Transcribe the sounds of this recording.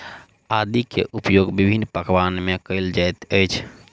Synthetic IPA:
ad̪ikḛʔupjoɡbibʱinːpəkʋanmekəɪld͡ʒajt̪əjt͡ʃʰ

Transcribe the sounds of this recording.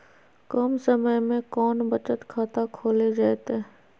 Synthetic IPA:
kɔmsɐməjmẽkɔːnbɐt͡ʃət̪kʰaːt̪akʰoːled͡ʒaːt̪e

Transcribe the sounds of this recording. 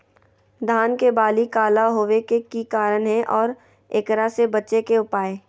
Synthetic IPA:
d̪ʱaːnkebaːlikaːlaɦoːʋekekikaːɾənɦɛ̃ʔɔːɾ | eːkɾasebɐtːʃekeʊpaːeː

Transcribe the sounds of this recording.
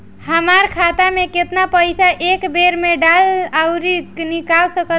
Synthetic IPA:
ɦəmaɾkʰat̪ameket̪napəjsaʔekbeɾmeɖalawɾiknikalsəkə

